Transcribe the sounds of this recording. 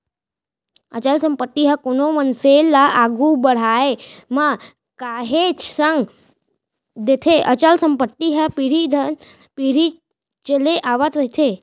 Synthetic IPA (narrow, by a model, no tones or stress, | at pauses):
ə̰t͡ʃəlsə̃mpət̪ːiɦəkonomənselaaɡubəɽ̤aema | kaːɦet͡ʃsəŋɡ | d̪et̪ʰeʔət͡ʃəlsəmpət̪ːiɦəpiɾid̪ʱən | piɾi | t͡ʃəleʔaːʋət̪ɾɐɦit̪ʰe